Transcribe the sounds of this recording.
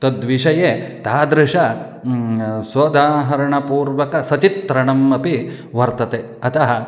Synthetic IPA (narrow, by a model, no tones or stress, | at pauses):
t̪ɐd̪ʋiʂɐjet̪aːd̪ɾɪʂɐ | sɐd̪aːɦɐɾɐɳɐpuːɾʋɐkɐsɐt͡ʃit̪ɾɐɳɐmɐpi | ʋɐɾt̪ɐt̪e | ɐt̪ɐɦɐ